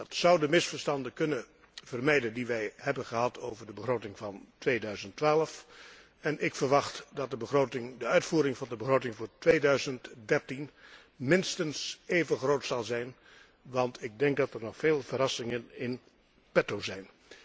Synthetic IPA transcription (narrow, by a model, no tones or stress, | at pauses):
dɑtsʌwdəmɪsfəɹstɑndəkɵnə | v̥ərmɛjdəndiʋɛjɦɛbənχəɦɑtʰowvəɹdəbəχrowtɪŋvɑntʋeːdœɥzəntʋaːləf | ɛnʔɪkfəɹʋɑχtdɑt̚dəbəχrowtɪŋdəœɥtfuːɾɪŋvɑndəbəχrowtɪŋvʊːɹtʋeːdœɥzəntdɛɹtin | mɪnstənsejvəχrowtsɑlˠzɛjn | ʋɑntʰɪɡ̚dɛŋk̚dɑtəɹnɔχfeːlˠvərɑsɪŋənɪn | pɛtowzɛjn